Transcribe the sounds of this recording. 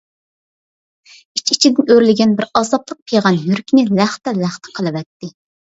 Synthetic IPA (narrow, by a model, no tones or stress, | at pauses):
it͡ʃʰit͡ʃʰid̪ɪnøɾlɪɡʲɛnbɪɾɑzɑt̪lˠəq̚pʰejʁɑnjyɾkʲʰinɪlæχt̪ɛlæχt̪ʰɛ̥qʰəlˠɨwɛt̪ːɪ